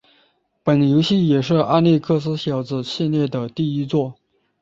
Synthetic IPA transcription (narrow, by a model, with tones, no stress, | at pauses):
pə˨˩nljo˧˥ʊɕi˥˩jɛ˨˩ʂɻ̩˥˧ʔa˥˧nli˥˧kʰɤ˥˧s̬ɹ̩˥ɕjɑ˧˥ʊd͡zɹ̩˧ɕʰi˥˧nljɛ˥˩d̪ə˩t̪i˥˩i˥t͡swɔ˥˩